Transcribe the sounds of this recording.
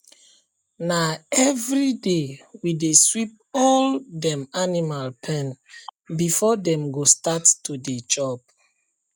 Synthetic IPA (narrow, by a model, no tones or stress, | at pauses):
naɛvɹidewideswip̚ | ɔldɛ̃manimalpʰɛ̃nbifɔdɛ̃mɡostattudet͡ʃɔp̚